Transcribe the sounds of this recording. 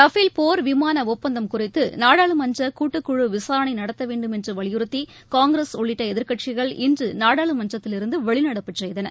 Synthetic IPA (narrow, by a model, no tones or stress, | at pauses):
t̪ɐfɪlpoːɾʋɪmaːnɐɔpːɐnd̪ɐmkʊrɪt̪ːɯnaːɽaːɭɯmɐnd͡ʒɐkuːʈːɯkːʊɻɯʋɪsaːɾɐnɐɪnɐɽɐt̪ːɐʋeːɳɖɯmɛndrɯʋɐɭɪjɯɾɯt̪ːi | kaːŋɡɾesɔɭːɪʈːɐɛðɪɾkɐʈ̚t͡ʃɪɣɐɭɪ̰ndrɯnaːɽaːɭɯmɐnd͡ʒɐt̪ːɪlɪɾɯnd̪ɯʋɛɭɪnɐɽɐpːɯʈsɛjðɐnɐ